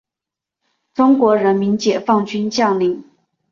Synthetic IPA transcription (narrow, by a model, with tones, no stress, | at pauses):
ʈ͡ʂʊ˥ŋkwɔ˧˥ɻə˧˥nmi˧˥nt͡ɕjɛ˨˩fɑ˥˩ŋt͡ɕy˥nt͡ɕjɑ˥˩ʊli˥˩ŋ